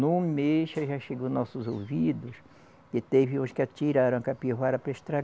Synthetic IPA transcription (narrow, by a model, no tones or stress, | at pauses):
nʊ̃meʃaʒaʃeɡonɔsʊzowvid̪ʊs | ɪt̪eviũskɪat͡ʃiɾaɾɐ̃w̃kapiɦaɾɐpɾeʃt̪ɾa